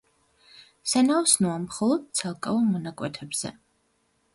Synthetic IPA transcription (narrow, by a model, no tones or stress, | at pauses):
sanaɔsnuamχɔlˠɔd̪̥̚t̪sʰalˠkʼavɔmɔnakʼwɛt̪ʰɛbz̥ɛ̰